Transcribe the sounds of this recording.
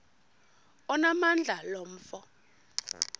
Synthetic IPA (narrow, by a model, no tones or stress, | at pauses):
ɔnamand͡ɮʱalom̩ːfɔ